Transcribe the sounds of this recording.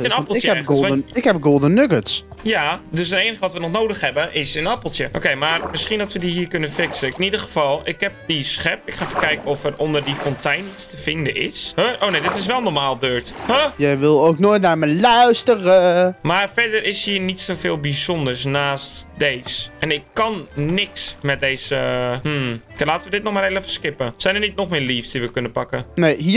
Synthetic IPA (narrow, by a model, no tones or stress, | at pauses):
ənɑpəlˠtjəɛɛɡoɪkhɛpɡolˠdənːøɡəsjadøsəteːnəɣəʋɔɑtʋənɔχnowdəxɦɛbəʔɪsənɑpəlˠtjəʔo̰kejmarmɪsχindɔtʋədiɦiːɹkønəfɪksəkɪnidərχəfɑlˠɪkɦɛp̚disχɛpɪkχaːfənkɛjkənɔfərɔndərdifɔntɛjnitstəfɪndəɪ̰shəʔoːnejdɪtɪs̬ʋɛlˠnɔɹmaːlˠdøːɹthəjəʋɪlˠowknoːjtnaːɹməlœɥstərəmaːrfɛdəɾɪshiːrnitsowfeːlˠbizɔndəɹsnaːstdeːsɛnɪkːɑnːɪksmɛt̚deːzəm̩klaːtəʋədɪt̚nɔxmaːɾeləfəskɪpəsɛjnərnitnɔxmɪːɹliːfsdiʋəkʏnəpakəneːɦi